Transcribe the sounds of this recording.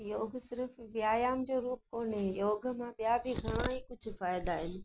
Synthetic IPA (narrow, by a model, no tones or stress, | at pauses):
joːɡʱsɪɾfʋɪjaːjaːmd͡ʑoːɾuːp̚koːnɦejoːɡʱə̆mãɓijabʱiɡʱɐɽ̃aːikʊd͡ʑ̆ʱfaːjɪd̪aːɦɪnɪ̆